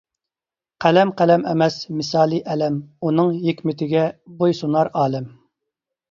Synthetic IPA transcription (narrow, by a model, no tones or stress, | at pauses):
qʰælɛmqælɛmɛmɛsmɪsɑːlˠiʔɛlɛmunɨŋjekʲmɪt̪ʰɪɡʲɛbojsunɑɾɑːlˠɪm